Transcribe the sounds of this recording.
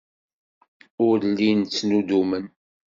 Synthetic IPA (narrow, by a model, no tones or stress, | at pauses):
ʊɾlːint͡sːnud̪umən